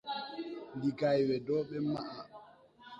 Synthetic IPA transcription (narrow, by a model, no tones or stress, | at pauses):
ndiɡajwɛdɔːɓɛmaʔa